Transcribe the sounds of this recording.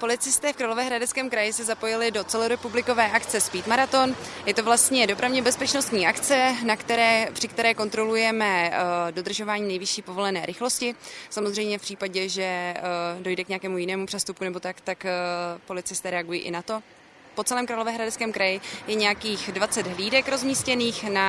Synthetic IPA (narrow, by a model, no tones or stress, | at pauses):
po̞lɪt͡sɪst̪ɛːfkɾaːlo̞vɛːɦɾadɛt͡skɛːmkɾajɪsɛzapo̞jɪlɪdo̞t͡sɛloɾɛpublɪko̞vɛːʔakt͡sɛspiːt̪maɾat̪o̞njɛt̪ovlast̪ɲɛdo̞pɾavɲɛbɛspɛt͡ʃnost̪ɲiːʔakt͡sɛnakt̪ɛɾɛːpr̥ɪkt̪ɛɾɛːko̞nt̪ɾo̞lujɛmɛdo̞d̪r̩ʒo̞vaːɲiːnɛjvɪʃiːpovo̞lɛnɛːɾʔɪxlo̞scɪsamozr̝ɛjmɲɛfpr̥iːpaɟɛʒɛ | do̞jdɛkɲɛakɛːmujɪnɛːmupr̥ɛst̪up̚kunɛbo̞t̪akt̪akpo̞lɪt͡sɪst̪ɛːɾɛaɡujḭːʔɪ̰nat̪o̞ | po̞t͡sɛlɛːmkɾaːlovɛːɦɾadɛt͡skɛːmkɾajɪjɛɲɛjakiːxdvat͡sɛd̪ɦliːdɛkɾo̞zmiːscɛniːxna